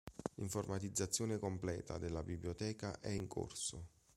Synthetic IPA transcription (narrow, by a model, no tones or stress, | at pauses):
iɱformat̪id̪zːat̪sːjoːnekomplɛ̰ːt̪a̰d̪elːabibljot̪ɛːkaʔɛiŋko̰rsʊ